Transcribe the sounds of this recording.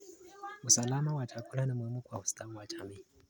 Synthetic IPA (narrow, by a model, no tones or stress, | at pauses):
usalamawat͡ʃakulanimuimukwaustawat͡ʃami